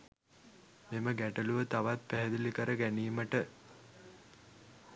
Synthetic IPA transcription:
meməɡæʈəluʋət̪aʋat̪̚pæɦɛd̪ilikəɾəɡæniːməʈə

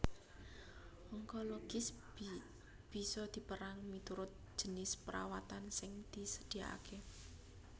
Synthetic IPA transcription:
ɔŋkoloɡ̥ɪs | b̥i̤sɔd̪̥i̤pəɾaŋmit̪uɾʊt̪̚ʒ̥ənɪspəɾa̰wat̪ansɪŋd̪̥isəd̪̥ia̰a̰kʰe

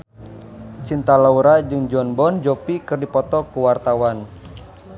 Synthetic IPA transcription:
t͡ʃint̪alauɾad͡ʒɨŋd͡ʒɔnbɔnd͡ʒɔpikɨrdipɔt̪ɔkuwart̪awan

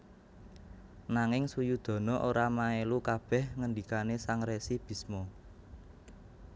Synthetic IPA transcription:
naŋɪŋsujud̪̥ɔ̤nɔʔoɾamaelukab̥ɛ̤hŋəndikanesaŋɾesib̥i̤smo

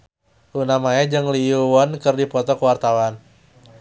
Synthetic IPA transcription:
ʔunamaɛd͡ʒɨŋliuwɔnkɨrdipɔt̪ɔkwart̪awan

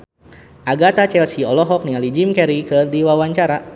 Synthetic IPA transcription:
ʔaɡat̪at͡ʃɛlsiɔlɔɦɔk̚niŋalid͡ʒimkɛɾikɨrdiwawaɲt͡ʃaɾa

